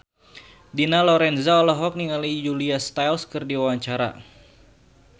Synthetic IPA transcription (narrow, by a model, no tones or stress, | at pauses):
dinalɔɾɛnzaɔlɔɦɔk̚niŋalid͡ʒuliast̪ajlskɨrdiwawaɲt͡ʃaɾa̰